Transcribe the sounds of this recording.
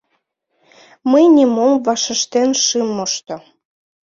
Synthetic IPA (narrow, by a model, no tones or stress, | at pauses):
məjnimomvɑʃə̆ʃt̪enʃɨmoʃt̪o